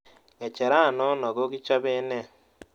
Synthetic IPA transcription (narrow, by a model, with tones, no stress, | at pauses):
ŋɛ˨t͡ʃɛ˨ɾa˦˨nɔ˦nɔ˨ɡo˦ɡi˦t͡ʃa˦βe˦nɛ˦˨